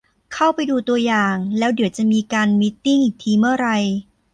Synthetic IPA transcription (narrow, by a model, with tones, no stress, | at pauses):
kʰa˥˩wpa˧jduː˧t̪u˧ɐjaː˨˩ŋlɛː˦˥wdi˨˩˦əwt͡ɕa˨˩ʔmiː˧kaː˧nmi˦˥t̪ːiː˥˩ŋhiː˨˩t̪ʰiː˧mɯ˥˩ɐɾa˧j